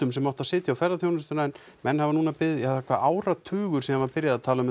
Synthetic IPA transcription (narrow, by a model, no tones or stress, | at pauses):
ʏmsɛmawht̪aðsɪːt̪jawfɛɾðaθjownɪst̪ʏnaːn | mɛnːhavanuːnapɪðat̪ːɛkvaʔaːwɾat̪ʰʏːɣʏ̥sɛmhanvaɾpɪɾjaðat̪ʰaːlaʏm